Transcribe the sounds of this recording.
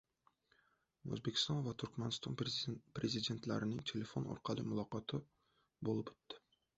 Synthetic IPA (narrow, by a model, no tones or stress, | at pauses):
ø̰zbekʲʰi̥st̪ɑnvɛt̪ʰyɾkʲmɛnɨst̪ɑnpɾezid̪ent̪læ̰ɾɪnɪŋt̪ʰelefono̰ɾqʰɑlˠɨ̰mulˠɑqɑt̪ʰɨ | bolˠɨpø̥t̪ʰːɪ̥